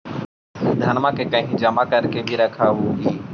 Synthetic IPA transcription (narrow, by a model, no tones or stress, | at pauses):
d̪ʱənmãːkeːkəɦĩːd͡ʒəmaːkəɾkeːbʱiːɾəkʰaːɦuːɦiː